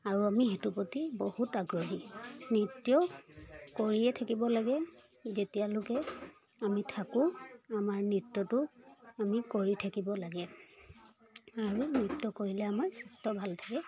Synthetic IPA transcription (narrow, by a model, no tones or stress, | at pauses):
aɹuamiɦetupotibohutaɡɹɔɦinitːjɔ | koɹiɛtʰakibɔlaɡɛ | zetijalʊkɛ | amitʰakʊ̃amaɹnitːɔtʊamikoɹitʰakibɔlaɡɛ | aɹunitːɔkoɹilɛamaɹsɛstɔbʱaltʰakɛ